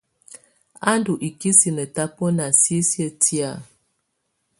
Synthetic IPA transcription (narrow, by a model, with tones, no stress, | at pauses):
a˦ndu˨ʔi˨ki˦si˨nə˨ta˦po˦na˨si˦sjə˦ti˦a˦˨